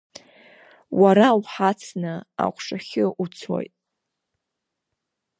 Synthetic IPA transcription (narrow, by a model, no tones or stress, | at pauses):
waɾawħat͡sʰnɨa̰qʷʰʂaχʲɪʔut͡sʰo̰jtʼ